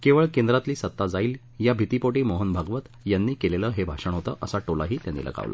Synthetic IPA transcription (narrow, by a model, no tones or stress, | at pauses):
keʋəɭkẽnd̪ɾat̪liːsət̪ːad͡zaiːl | jabʱit̪ipoʈemoɦənbʱaɡʋət̪ | janːiːkeleləːɦebʱaʂəɳɦot̪əʔəsaʈolaɦiːt̪janːḭːlʔə̰ɡa̰ʋlʔə̰